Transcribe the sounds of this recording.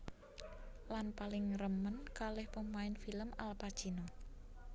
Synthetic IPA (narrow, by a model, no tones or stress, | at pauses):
lanpalɪŋrəmənkalɪhpəmaɪnfiləmalpḁt͡ʃino